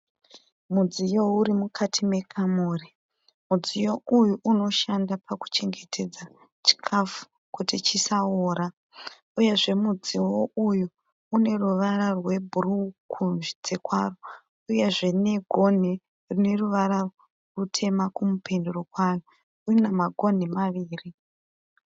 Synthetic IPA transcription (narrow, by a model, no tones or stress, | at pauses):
mud͡zijo̞uɾimukʰatʰime̞kʰamuːri | mud͡zijo̞ujuʔuno̞ʃandapaku̥t͡ʃe̞ŋɡe̞tʰe̞d͡za | t͡ʃi̥kʰafu̥ | kutit͡ʃisaoːɾa | uje̞ʐe̞mud͡ziwo̞ʔuju | une̞ruʋaɾarwe̞bʱurukʰunʐid͡ze̞kwa̰ro | uje̞ʐe̞ne̞ɡʱo̞n̤i | rune̞ruʋaɾa | rutʰe̞makumupʰe̞nduro̞kwaro | urinamaɡʱo̞n̤imaʋiːri